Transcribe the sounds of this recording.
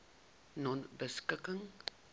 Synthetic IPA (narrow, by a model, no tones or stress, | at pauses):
nɔnbəskəkəŋ